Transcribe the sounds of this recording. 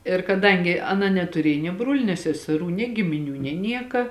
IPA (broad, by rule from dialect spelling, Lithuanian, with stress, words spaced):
ɪr kɐˈdɐŋʲɡʲɪ ɐˈnɐ nʲɛtʊˈrʲiɛj nʲiɛ ˈbruɔlʲʊ nʲeː sʲɛsʲɛˈruː nʲeː ɡʲɪmʲɪˈnʲuː nʲeː ˈnʲiɛkɐ